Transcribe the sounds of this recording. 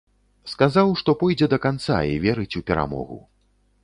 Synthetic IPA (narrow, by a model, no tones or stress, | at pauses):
skazawʂt̪ɔpɔjd͡zʲɛd̪ɐkant̪sa̰ivʲɛɾɨt͡sʲupʲɛɾa̰mɔ̰ɣṵ